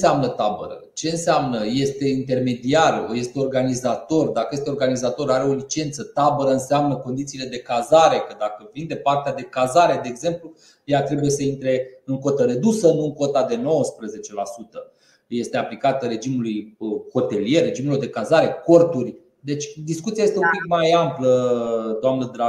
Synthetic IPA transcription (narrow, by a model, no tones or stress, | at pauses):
seamnət̪abə̰ɾə̰t͡ʃe̞ɨnseamnəje̞st̪e̞int̪e̞rme̞d̪iarje̞st̪eo̞rɡanizat̪o̞rd̪akəjest̪eo̞rɡanizat̪o̞ɾaɾe̞o̞lit͡ʃe̞nt̪sət̪abəɾəɨnseamnəko̞nd̪it̪sile̞d̪e̞kazaɾe̞kəd̪akəvind̪e̞part̪ead̪e̞kazaɾe̞d̪e̞ːɡze̞mplu | jat̪ɾe̞buje̞səint̪ɾe̞ɨŋko̞t̪əɾe̞d̪usənuɨŋko̞t̪ad̪e̞no̞wəspɾəze̞t͡ʃe̞lasut̪ə | je̞st̪e̞aplikat̪əre̞d͡ʒimulujəho̞t̪e̞lije̞rre̞d͡ʒimulord̪e̞kazaɾe̞ko̞rt̪urʲ | d̪e̞t͡ʃʲd̪iskut̪siajest̪eumpikmajampləd̪oamnəd̪ɾa